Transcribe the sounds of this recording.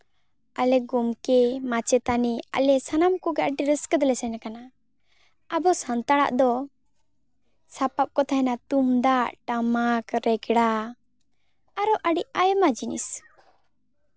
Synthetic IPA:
alɛɡumkɛmat͡ʃɛt̪ania̰lɛsanamkɔɡaʔʈiɾəskəd̪lɛsajnakana | abɔsant̪aɽa̰ʔd̪ɔ | sapap̚kɔt̪ʰanat̪umd̪aʔʈamakɾɛɡɽa | aɾɔʔaɖiʔajmad͡ʒinḭs

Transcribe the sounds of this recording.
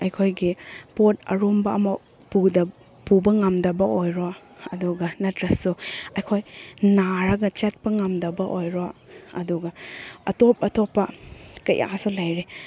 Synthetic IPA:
ɐjkʰojɡipot̚ɐ̰ɾombɐɐmɐ | pud | pubɐŋɐmdɐbɐʔojɾo | ɐduɡɐnɐtʰɾɐsuɐjkʰojnaɾɐɡɐt͡ʃet̚pɐŋɐmdɐbɐʔojɾoɐ̰duɡɐɐtop̚ɐtopːɐkɐ̰jʔa̰sulajɾe

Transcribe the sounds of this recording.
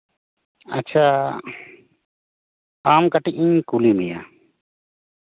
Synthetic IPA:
a̰t͡ʃʰa | amkaʈiʔ̚iɲkulimija̰

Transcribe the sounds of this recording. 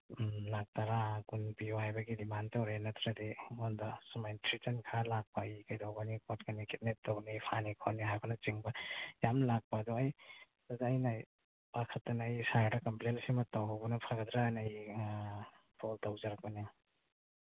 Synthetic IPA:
nak̚taɾaɡunpiwajbɐɡidimantawɾenɐt̪ɾadimɔndasumajntʰɾitɐnkʰalak̚paɐjkajdawɡanikɔt̚kanikit̚net̚tawɡnipʰanikʰɔniɦajbɔnɐt͡ʃiŋbɐjamlak̚paːdɔɐj | dazaːjna | pakʰɐtːɐnɐjsaɾdɐkɐmplelsimɐtawawbɐnɐpʰaɡɐd̪ɾanɐj | pʰoltawzaɾak̚pɐni

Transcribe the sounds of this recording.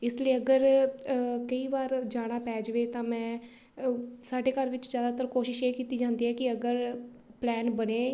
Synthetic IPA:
ɪsləiːəɡəɾ | kəiːʋaːɾd͡ʒaːɽ̃aːpɛːd͡ʒʋeːt̪ãːmɛ̃ː | saːɖeːkəɾʋɪt͡ʃzjaːd̪aːt̪əɾkoːʃɪʃeːkiːt̪iːd͡ʒãːnd̪iːɦɛːkɪəɡəɾ | plɛːnbəneː

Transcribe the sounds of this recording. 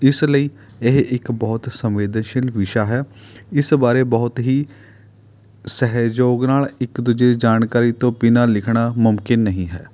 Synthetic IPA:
ɪsləiː | eɦɪkbɔːt̪səmʋeːd̪ənʃɪlʋɪʃaːɦɛːɪsbaːɾeːbɔːt̪ɦiː | sɛɦd͡ʒoːɡnaːlɪkd̪ʊd͡ʒeːd͡ʒaːnkaːɾiːt̪õːpɪnaːlɪkʰɽaːmʊmkɪnːəɦĩːɦɛː

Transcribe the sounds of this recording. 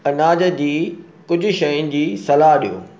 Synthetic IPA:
ɐnaːd͡ʑə̆d͡ʑiː | kʊd͡ʑʱʊ̆ʃɐjʊnɪ̆d͡ʑiːsɐlaːɦɗijo̰ː

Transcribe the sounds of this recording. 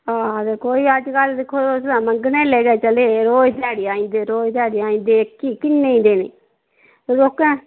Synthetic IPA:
aːd̪eːkoːiːəd͡ʒkəld̪ɪkʰːoːosd̪ãːməŋɡnẽːlɛːɡɛːt͡ʃəleːɾoːd͡ʒt̪ɛːɽeːaːĩːnd̪eːɾoːt̪ɛːɽeːaːĩːnd̪eːkiːkɪnːẽĩːd̪eːnḛː | ɾoːkɛ̃ː

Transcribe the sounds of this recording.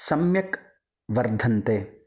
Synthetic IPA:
sɐmjɐk | ʋɐɾd̪ʱɐnt̪eː

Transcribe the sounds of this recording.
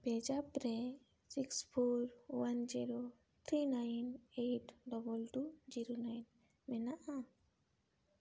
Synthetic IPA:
b̥ɛd͡ʒapɾɛ | sikspʰoɾwand͡ʒiɾo | t̪ʰɾinajneʈɖɔbɔlʈud͡ʒiɾonajn | mɛnaʔa

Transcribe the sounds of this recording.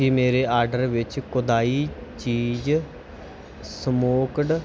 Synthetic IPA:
iːmeːɾeːaːɾɖəɾʋɪt͡ʃkʊd̪aːiːt͡ʃiːd͡ʒ | səmoːkɖ

